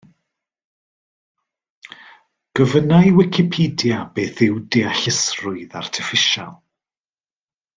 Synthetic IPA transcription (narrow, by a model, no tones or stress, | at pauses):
ɡ̥əvənajwɪkʰɪpʰidjabeːθɪwdiaɬɪsrʊɨða̰rtʰɪfɪʃa̰lˠ